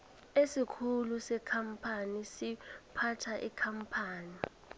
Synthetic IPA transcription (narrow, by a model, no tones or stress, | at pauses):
esikʰulusɛkʰam̩pʰanisipʰatʰaʔikʰampʰaːni